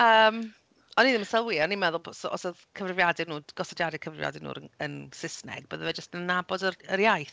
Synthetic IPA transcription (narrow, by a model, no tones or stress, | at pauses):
əːm | ɔniːðɪməsɛlˠwiɔnimɛðʊlˠbsɔɔ̰səðkʰəvrɪvjadɛnuːɡ̥ɔsɔdjadɛkʰəvrɪvja̰dɛnṵːɾənənsɪsnɛ̰ɡ̚b̥əːðəvɛd͡ʒəstnənabɔdərəɾjajθ